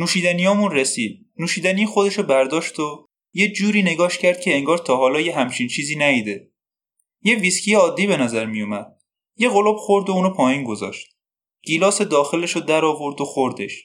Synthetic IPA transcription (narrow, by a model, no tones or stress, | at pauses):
nuːʃiːd̪ænijɒːmunresiːd̪̥̚ | nuːʃiːd̪ænijxod̪e̞ʃɔbæɾd̪ɒːʃt̪o | je̞d͡ʒuːɾiːne̞ɡɒːʃcʰæɾd̪̥̚kcʰe̞eŋɡɒːɾt̪ʰɒːɦɒːlɒːjeɦæmt͡ʃʰint͡ʃʰiːziːnæiːd̪e | je̞viscʰijeɒːd̪ːiːbe̞næzæɾmijumæd̪̥̚ | je̞ɣoloːbxo̞ɾd̪ouːnopʰɒːjiːnɡo̞zɒ̰ːʃt̪̚ | ɟ̥iːlɒːsed̪ɒːxe̞leʃod̪æɾɒːvoɾd̪oxoɾd̪e̞ʃ